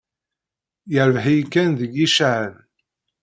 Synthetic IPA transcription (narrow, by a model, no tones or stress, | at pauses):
jəɾvɦijkːænðəɡiʃaʕəð